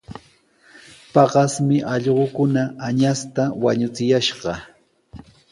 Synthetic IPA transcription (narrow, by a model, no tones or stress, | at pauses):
pɑɢɑsmɪʔɑʎɢokʊnaːɲast̪awaɲʊt͡sɪjaʃɢɑ